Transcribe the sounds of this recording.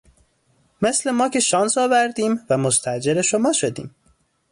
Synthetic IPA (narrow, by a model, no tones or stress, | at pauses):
mesle̞mɒːcʲʰe̞ʃɒːnsɒːvæɾd̪iːmvæmost̪ʰæʔd͡ʒe̞ɾeʃomɒːʃo̞d̪ḭːm